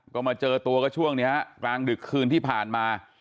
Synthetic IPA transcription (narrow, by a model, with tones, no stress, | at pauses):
kɔː˥˩maː˧t͡ɕɤː˧t̪u˧ɐkɔː˥˩t͡ɕʰu˥˩əŋni˦˥ɐɦa˧klaː˧ŋdɯ˨˩kʰːɯː˧nt̪ʰiː˥˩pʰaː˨˩nmaː˧